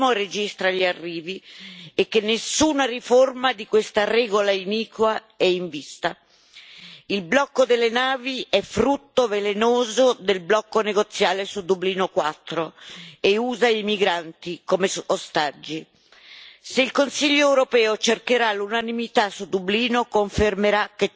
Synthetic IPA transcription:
mored͡ʒist̪ɾaʎarːiːviekːenːesːuːnariformad̪ikwest̪arɛːɡolainiːkwa | ɛiɱvist̪a | ilblɔkːod̪elːenaːviɛfɾut̪ːovelenoːzod̪elblɔkːoneɡot̪sːjaːlesud̪ubliːnokwat̪ːɾoeuːzaimiɡɾant̪ikomeost̪ad͡ʒːi | seilkonsiʎːoɛwɾopɛːot͡ʃerkeɾalunanimit̪asud̪ubliːnokoɱfermeɾak̟ːe

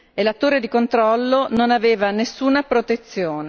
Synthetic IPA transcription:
elat̪ːoːɾed̪ikont̪ɾɔlːononaveːvanesːuːnapɾot̪et̪sːjoːne

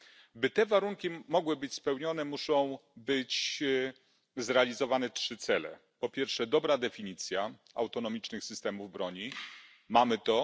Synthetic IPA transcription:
bɘt̪ɛvaɾuŋkʲimɔɡwɘbɘt͡ɕspɛwɲɔn̪ɛmuʂɔ̃w̃bɘt͡ɕ | zɾɛalʲizɔvanɛtʂɘt̪sɛlɛ̰ | pɔpʲjɛɾfʂɛd̪ɔbɾad̪ɛfʲiɲit̪sʲja | a̰wt̪ɔnɔmʲit͡ʂnɘxsɘst̪ɛmuvbɾɔɲi | mamɘt̪ɔ

